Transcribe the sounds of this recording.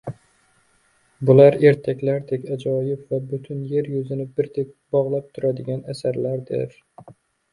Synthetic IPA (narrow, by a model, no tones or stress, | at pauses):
bʊlaɾe̞ɾt̪ʰakʲlaɾd̪ekʲad͡ʒɒjɪpvabʊt̪ʰʊnje̞ɾjʊzɪnɪbɪɾt̪ʰek̚ʲbɒʁlˠap̚t̪ʰʊɾad̪ɪɡʲanasaɾlaɾd̪ɪ̰ɾ